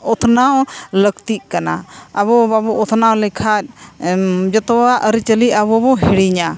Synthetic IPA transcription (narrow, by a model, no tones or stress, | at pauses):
ɔt̪ʰnaɔləkt̪iʔ̚ˀkana̰əβɔbabɔɔt̪ʰnawlɛkʰat̚ | d͡ʒət̪ɔaʔəɾit͡ʃəliʔabɔbɔɦiɽiɲa